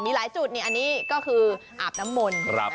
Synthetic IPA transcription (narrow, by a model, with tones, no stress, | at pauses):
miː˧laː˩˦jsuː˨˩t̪̚ni˧˩ʔa˧nːiː˦˥kɔː˥˩kʰɯː˧ʔa̰ː˨˩p̚na˦˥mːo˧nɾa˦